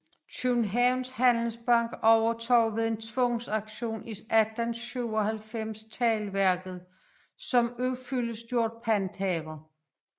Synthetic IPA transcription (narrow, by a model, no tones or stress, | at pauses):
t͡sʰunɦæʊnshænl̩sb̥ɑ̈ŋ̰ɡ̥ɒʊɐt͡sʰɒ̰ʊʋe̝ðˠe̝nt͡sʰʋɔ̽ŋsɑ̈ɡ̥ɕo̝̰ːnisæd̥ænsɕyʊɒ̽ɦælfem̰st͡sʰɛːlʋæɐɡ̥ð̞̩ˠ | sɒ̽møfyləsd̥jo̝ɐ̰d̥̚pʰænd̥hɛːʋɐ